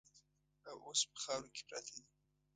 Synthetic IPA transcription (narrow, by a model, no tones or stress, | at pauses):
awʔospə̥xɑwɾoke̥pɾɑt̪ʰed̪i